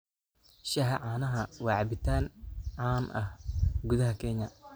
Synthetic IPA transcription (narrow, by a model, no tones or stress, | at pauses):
ʃɐɦɐʕaːnɐɦɐwɑːʕɑbɪt̪ʰaːnʕɑːnʔɐ̰hɡʊðɐɦɐkʰɛɲɐ